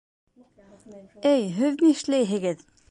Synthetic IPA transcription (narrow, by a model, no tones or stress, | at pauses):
æjɦɵðmiʃlæjɦɘ̆ɡɘð